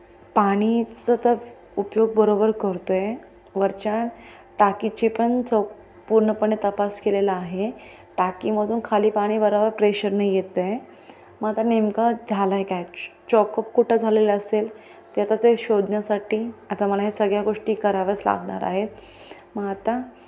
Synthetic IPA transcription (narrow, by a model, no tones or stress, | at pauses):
paɽ̃it͡sət̪ə | upjoɡ̚bəɾobəɾkəɾt̪oje | ʋəɾt͡ɕaɳ | ʈakit͡ɕipəɳt͡sə | puɾɳəpəɳet̪əpaskelelaːɦe | ʈakiməd̪uːnkʰaliːpaɽ̃iːbəɾabəɾpɾeɕəɾnaijet̪əe | məat̪anemkad͡zʱalaekajt͡ɕɔkəp̚kuʈʰəd͡zʱaleləəsel | t̪jat̪at̪eɕod̪ʱnjasaʈiːat̪aməlaɦesəɡɭjaɡoʂʈiːkəɾaʋət͡sla̰ɡɳa̰ɾa̰ɦet̪̚ | məɡat̪a